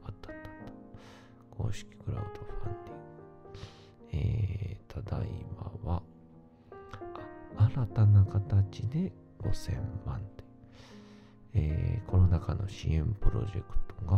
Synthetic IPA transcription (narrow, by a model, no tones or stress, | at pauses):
at̪ːḁt̪ːḁt̪ːḁ | ɡo̞̰ːɕi̥kʲi̥ɡɯ̟ɾa̰ɯd̪oɸãnd̪ʲiŋɡɯ | eːt̪ʰad̪aimaβa | aaɾat̪anakat̪at͡ɕid̪e̞ | ɡ̥o̞̰sẽ̞mmãnt̪e | eːkʰo̞no̞nakano̞ɕḭẽmpɯ̟ɾo̞̰ʑe̞̰kɯ̟̥t̪oɡa